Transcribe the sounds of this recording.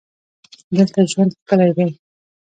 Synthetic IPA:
d̪əlt̪aʒwand̪xkəlajd̪aj

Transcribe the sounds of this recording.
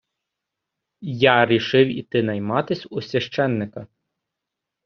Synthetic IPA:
jɑɾʲiʃɪwit̪ɪnɐjmɑt̪ɪsʲʊsʲʋʲɐʃt͡ʃɛnːɪkɐ

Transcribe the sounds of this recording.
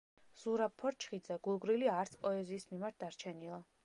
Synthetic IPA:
z̥uɾab̚pʰɔɾt͡ʃʰχid̪zɛɡulˠɡɾiliaɾt̪sʰpʼɔɛziːsmimaɾt̪̚d̪aɾt͡ʃʰɛnilˠa

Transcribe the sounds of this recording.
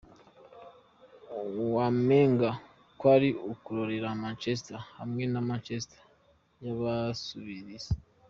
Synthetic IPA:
wameːŋɡa | kwaɾiokuɾoɾe̞ɾamaːnt͡ʃes̬itahamŋe̞namaːnt͡ʃesitḁ | jaβasuβiɾize

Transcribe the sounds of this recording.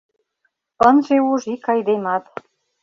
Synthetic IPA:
ənʒeuʒikɑjd̪emɑt̪

